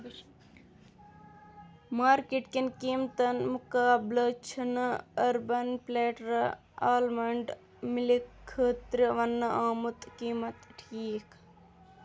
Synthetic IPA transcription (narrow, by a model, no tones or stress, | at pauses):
maːɾkiʈkinkiːmt̪ɐnmukaːblɐt͡ʃʰinɐɐɾbɐnpleːʈɾ | aːlmɐɳɖ | milikʰːəːt̪ɾiʋɐnːɐʔaːmut̪kiːmɐt̪ʈʰiːk